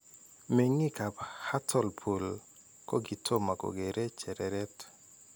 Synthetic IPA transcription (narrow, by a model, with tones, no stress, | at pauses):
me˨ŋi˦ka˨pha˦tʰɔ˦˨lpʰo˨l | kɔ˦ɡi˨tʰo˦ma˨ko̰˨ɡe˨ɾʔe˦t͡ʃɛ˨ɾɛɾɛ˦t